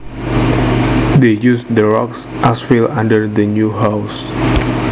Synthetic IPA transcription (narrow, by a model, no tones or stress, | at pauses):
dejusd̪əɹɔks | ʔasfilãndəɹdənjuɦaws